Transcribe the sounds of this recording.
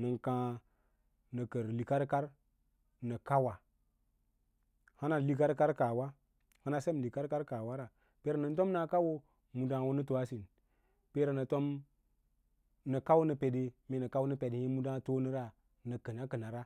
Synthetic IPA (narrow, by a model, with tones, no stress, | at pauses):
nə˨nkã˨˦ | nə˨kə˨ɾli˨ka˦ɾka˦ɾ | nə˨ka˦wa˨ | ha˦na˨li˦ka˦ɾka˦ɾka˨wa˦ | ha˦na˨se˦m˨li˨ka˦ɾka˦ɾka˨wa˦ɾa˨ | pe˦ɾa˨nə˨n˦to˦mna˨ka˦wo˦ | mu˨da˦ŋ˨wo˦nə˦tu˨a˦si˨n | pe˦ɾa˨nə˨to˦m | nə˨ka˦wo˦nə˨pe˨de˦mi˨nə˨ka˦wo˦nə˦pe˨dhi˦mu˦da˦to˦nə˦ɾa˦ | nə˨kə˨na˦kə˨na˨ɾa˦